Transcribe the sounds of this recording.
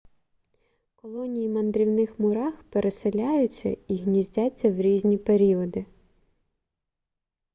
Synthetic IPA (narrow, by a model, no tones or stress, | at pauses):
kɔlˠɔnʲijimɐnd̪ɾʲiwnɪxmʊɾɑxpeɾʔeselʲajʊt͡sʲːɐ̰iɦnʲizʲdʲat͡sʲːɐwɾʲizʲnʲipeɾʲiɔd̪ɪ